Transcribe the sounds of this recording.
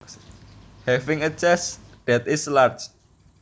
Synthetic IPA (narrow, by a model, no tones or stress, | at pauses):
hɛfɪŋət͡ʃɛsd̥ɛt̪ɪslart͡ʃ